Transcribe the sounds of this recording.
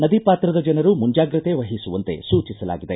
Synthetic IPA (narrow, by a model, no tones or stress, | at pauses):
nɐd̪ipaːt̪ɾɐd̪ɐd͡ʒɐnɐɾumuɲd͡ʒaːɡɾɨt̪e̞ʋɐɦisuʋɐnt̪e̞̰suːt͡ʃisɐla̰ːɡid̪e